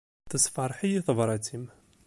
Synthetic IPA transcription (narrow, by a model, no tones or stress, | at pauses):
θəsˤfɑɾˤħijiθəvɾˤɑt͡sim